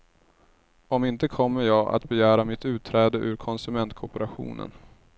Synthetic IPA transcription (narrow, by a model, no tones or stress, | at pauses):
ɔmɪnt̪əkʰɔmːəɾjɑːɡa̰t̪bɛjæːɾamɪt̪ʉ̟ːt̪ʰːɾɛːd̪əʔʉ̟ɾkʰɔnsɵmɛnt̪̚kʰɔpəɾaɧṵːnə̰n